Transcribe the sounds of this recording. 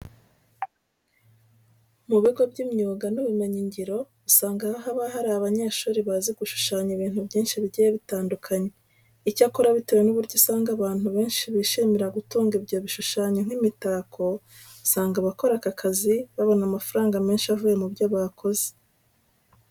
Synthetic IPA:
muβiɡo̞bɟimɲuːɡanuβime̞ɲiɲɟiɾo̞ | usaːŋɡahoɦaβaɦaɾaβaɲe̞ːʃuːɾiβaziɡ̥uʃu̥ʃaːɲiβiːn̥hubɟiːnʃiβiɟijeβitaːndukʰaɲe̞ | icakoɾaβitewenuβuɾɟosaːŋɡaβaːn̥huβe̞ːnʃiβiʃimiɾaɡutuːŋɡibɟo̞ːβiʃuʃaːɲoŋ̥imitaːkʰo̞ | usaːŋɡaβako̞ɾakakʰaziβaβo̞namafaɾaːŋɡame̞ːnʃiavuːje̞mubɟaβaːkʰo̞ze̥

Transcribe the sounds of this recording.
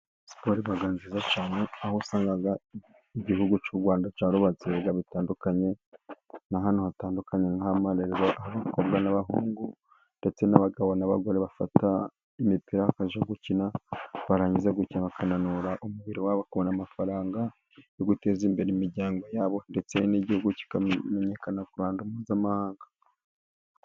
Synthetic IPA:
si̥po̞ɾiβaɡaːnzizat͡ʃaːneahosaːŋɡaɡa | iɟiɦuɡut͡ʃuɾɡwaːndat͡ʃaːɾuβazeɡaβitaːndukaɲe̞ | naɦanohataːndukaɲe̞ŋhamaɾeɾeɾoʔahaβakobɡanaβaɦuːŋɡu | nde̞t͡se̞naβaɡaβonaβaɡo̞ɾeβafata | imipiɾahakaʒaɡucinaβaɾaɲizaɡucinaβakananuɾaʔumuβiɾiwaβakuβonamafaɾaːŋɡa | joɡute̞ːzimbe̞ɾemiɾɟaːŋɡo̞jaːβo̞nde̞t͡se̞niɟihuɡuci̥kame̞ɲe̞kanakuɾaːndumuzamahaːŋɡḁ

